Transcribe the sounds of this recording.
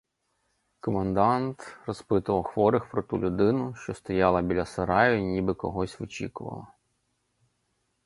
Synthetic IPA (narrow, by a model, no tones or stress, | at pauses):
kɔmɐnd̪ɑnt̪rɔspɪt̪ʊʋɐwxʋɔɾɪxpɾɔt̪ulʲʊd̪ɪnʊʃt͡ʃɔst̪ɔjɑlˠɐbʲilʲɐsɐɾɑjʊnʲibɪkɔɦɔsʲʋɔt͡ʃʲḭkʊʋɐ̰lˠɐ